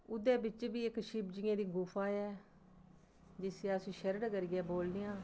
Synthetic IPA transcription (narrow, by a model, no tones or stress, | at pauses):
ʊd̪eːbɪt͡ʃbiːɪkʃiːpd͡ʒɪːẽːd̪iːɡʊːfʰaːɛː | d͡ʒɪsjaːsĩːʃəɾəɽkəɾɡɛːboːlnɪjãː